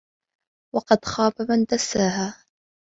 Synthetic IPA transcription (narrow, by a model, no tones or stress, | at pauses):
wɑqɑd̪xɑːfamand̪asːaːɦaː